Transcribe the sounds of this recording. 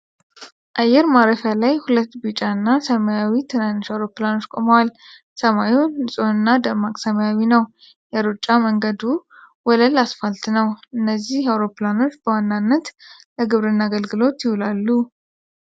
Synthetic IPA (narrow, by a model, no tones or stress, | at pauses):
ʔajɛɾmaɾəfjalajhulət̪ːbɨt͡ʃʼanːasəmajawit̪ʰɨnanːɨʃawɾo̞pɨlano̞t͡ʃːkʼo̞mwal | səmajunːɨsʼo̞nɨnːad̪əmakʼsəmajawinəw | jɛɾut͡ʃʼːaməŋɡəd̪u | wɔləlasfalt̪nəwʔɨnːəzːihawɾo̞plano̞t͡ʃːbəwanːanːət̪ | ləɡɨβɾɨnːaɡəlɡɨlo̞t̪jɪhulalːu